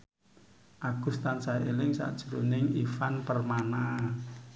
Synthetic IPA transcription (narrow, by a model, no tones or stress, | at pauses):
ʔaɡ̥ṳst̪ansaelɪŋsa̰ʔd̥ʒ̥uɾonɪŋifanpərmana